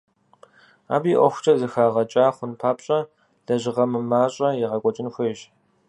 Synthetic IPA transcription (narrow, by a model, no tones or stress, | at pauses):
a̰ːbiːʔʷɔxʷʊ̥t͡ʃʼɐzɨxaːʁɐt͡ʃʼaːχʷʊnpʰaːpɕʼɐ | ɮ̥ɐʑɪʁɐmɨmaːɕʼɐjɪʁɐkʷʼɔt͡ʃʼɪnxʷeʒ